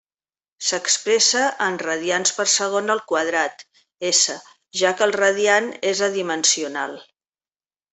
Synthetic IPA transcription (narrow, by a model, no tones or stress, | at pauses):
səkspɾɛsəʔənrəð̞ianspəɾsəɣ̞onəlˠkwəð̞ɾat̪ | esə | ʒakəːlˠrəðianezəðimənsiuna̰lˠ